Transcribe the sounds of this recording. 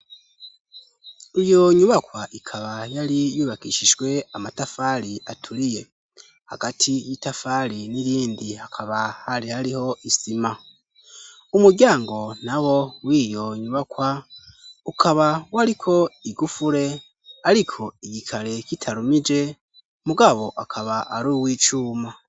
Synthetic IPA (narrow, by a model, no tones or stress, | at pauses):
ijo̞ɲuβakwaʔikʰaβajaɾijuːβakiʃid͡ʒɡwe̞amatafaɾiatʰuɾije̞ | ha̰ɡatʰijitafaɾiniɾiːndihakʰaβahaɾihaɾiho̞ʔisima | umuɾɟaːŋɡo̞nawo̞wiːjo̞ɲuβakwa | ukʰaβawaɾikʰo̞iɡufuɾe̞ | aɾikʰo̞iɟikʰaɾe̞citʰaɾumid͡ʒe̞ | muɡaβo̞ʔakʰaβaʔaɾuːwiːt͡ʃuːma